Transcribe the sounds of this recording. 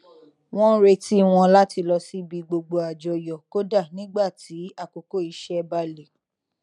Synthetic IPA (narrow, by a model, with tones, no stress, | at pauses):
w̃ɔ̃˦ɾe˧ti˦w̃ɔ̃˧la˦ti˧lɔ˧si˦bi˧ɡ͡bo˧ɡ͡bo˧a˨d͡ʒɔ˨jɔ˨ko˦da˦˨nĩ˦ɡ͡ba˦˨ti˨˦a˦˨ko˨ko˦˨i˨˧ʃɛ˦˧ba˧˦le˨